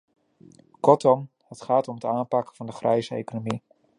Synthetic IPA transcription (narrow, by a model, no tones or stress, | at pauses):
kɔtɔm | hətχaːtɔmətaːnpɑkəvɑndəχrʔɛjzəḛjkonomi